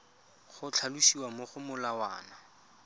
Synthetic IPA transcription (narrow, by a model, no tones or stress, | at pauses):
χʊt͡ɬʰaluʃiwamʊχʊmʊlawa̰ːna